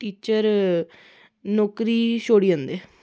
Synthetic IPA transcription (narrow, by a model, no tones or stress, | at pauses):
ʈiːt͡ʃəɾ | noːkɾiːʃoːɽiːə̃nd̪eː